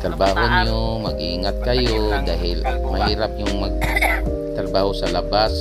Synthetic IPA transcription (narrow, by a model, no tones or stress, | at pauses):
t̪ɾabaːɦoɲjo | maɡʔiːŋat̪̚kajod̪aːɦɪl | mahiːɾap̚jʊŋmaɡ̚ | t̪ɾabaːhosalabas